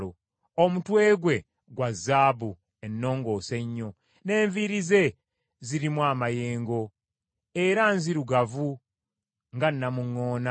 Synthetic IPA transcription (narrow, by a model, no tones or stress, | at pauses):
lo | omutwe̞ːɡwe̞ | ɡwazːaːbu | enːo̞ːŋɡo̞ːse̞ɲːo̞ | ne̞ːɱviɾize̞ | ziɾimwaːmajeːŋɡo̞ | eɾanziɾuɡavu | ŋɡanːamuŋːo̞ːna